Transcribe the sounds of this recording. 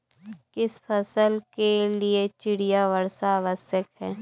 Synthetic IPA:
kɪspʰɐsəlkeliet͡ʃɪɽijaʋəɾsaːʋəsjəkɦɛː

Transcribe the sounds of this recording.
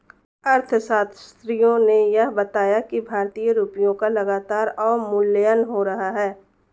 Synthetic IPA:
ɐɾt̪ʰsaːt̪ʰst̪ɾijõnejɐɦbɐt̪aːjakibʱaːɾt̪iːjəɾuːpijõkalɐɡaːt̪aːɾɔːɾmʊlːəjənɦoɾɐɦaɦɛː

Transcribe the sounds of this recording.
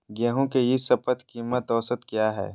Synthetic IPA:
ɡɛːɦõkejɪsɐpət̪kiːmːət̪ɔːsət̪kjaːɦɛ̰ː

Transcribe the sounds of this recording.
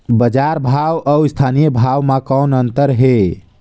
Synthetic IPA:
bəd͡ʒaɾbʱawəwst̪ʰanijəbʱawmãkənənt̪əɾɦe

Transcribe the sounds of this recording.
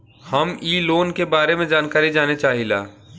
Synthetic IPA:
hɐmiːloːnkebaːɾemẽd͡ʒaːnkaːɾid͡ʒaːnet͡ʃaːɦila̰ː

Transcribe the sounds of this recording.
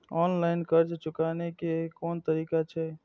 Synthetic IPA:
ɔnlaɪnkəɾt͡ʃt͡ʃukanekekont̪əɾikat͡ʃʰɛ

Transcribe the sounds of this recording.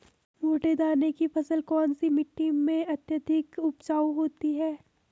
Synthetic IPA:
moːʈed̪aːnekipɐsəlkɔːnsimɪʈːɪ̃ŋmẽɐt̪jəd̪ʱɪkʊbt͡ʃaːuɦoːt̪iɦɛː

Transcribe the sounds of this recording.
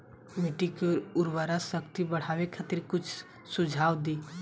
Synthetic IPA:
miʈikeʊɾʋaɾasəkt̪ibəɽ̤aːʋekʰat̪ɪɾkʊt͡ʃʰ | sʊd͡ʒʱaːwd̪iː

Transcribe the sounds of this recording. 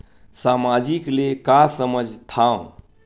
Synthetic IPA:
samad͡ʒiklekasəməd͡ʒʱt̪ʰaõ

